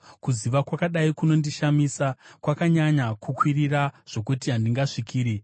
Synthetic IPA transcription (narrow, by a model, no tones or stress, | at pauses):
kuziʋakwakaɗaikuno̞ndiʃamiːsakwakaɲaɲakukwiriraʐ̥o̞kutiɦandiŋɡaʂikiːɾi